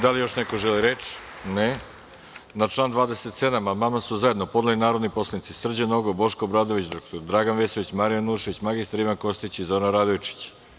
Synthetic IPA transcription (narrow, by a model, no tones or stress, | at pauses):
d̪alijo̞ʃneko̞ʒeliɾet͡ʃne | nat͡ʃlˠaːnd̪ʋaːd̪e̞set̪sed̪amamamasuzae̞d̪nopo̞d̪alinaːɾo̞d̪nipo̞slˠanit̪isr̩d͡ʑeno̞ɡobo̞ʃkobɾad̪oʋit͡ɕd̪ɾokt̪oɾd̪ɾaːɡanʋesoʋit͡ɕmaɾijanuːʃe̞ʋit͡ɕmaɡist̪aɾiʋanko̞st̪it͡ɕizoːɾanɾad̪ojt͡ʃi̥t͡ɕ